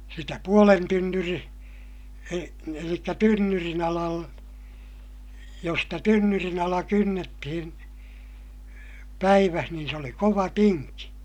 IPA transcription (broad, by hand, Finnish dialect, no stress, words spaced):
sitæ puolen tynːyri e elikːæ tynːyrin ɑlɑl jos stæ tynːyrin ɑlɑ kynːetːihin pæiʋæh niːn se oli koʋɑ tinki